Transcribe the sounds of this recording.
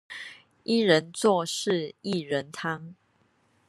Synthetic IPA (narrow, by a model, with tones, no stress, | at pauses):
i˥˦ɻə˨˦nt͡swɔ˥˨ʂɻ̩˥˨i˥˨ɻə˨˦nt̪ʰa˦ŋ